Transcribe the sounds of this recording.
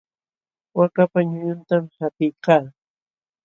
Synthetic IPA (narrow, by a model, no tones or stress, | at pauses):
wakapaɲʊɲʊnt̪amhat̪ɪjkaː